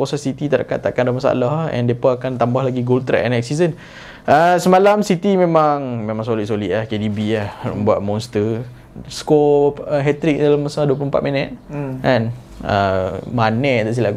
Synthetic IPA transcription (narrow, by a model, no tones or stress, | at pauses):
kosassit̪it̪aɾa̰ka̰t̪akandalmasa̰lahɛ̰̃ndepaakant̪ambahlaɡiɡolt̪ɾɛ̰ʔɛnɛk̚sizən | əsəmalamsit̪imẽmaŋmẽmãŋsoliʔsoliʔlahkedibiahbuaʔ̪̚mɔ̃nst̪ə | skoəɦɛt̪ɾik̚dalamasaladuəp̬lompat̪̚mɛnɛt̪̚an | ə̰manɛt̪aʔs̬ila